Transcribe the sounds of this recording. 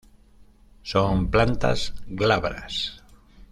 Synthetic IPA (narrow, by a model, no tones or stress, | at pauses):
somplant̪a̰zɡlaβɾa̰s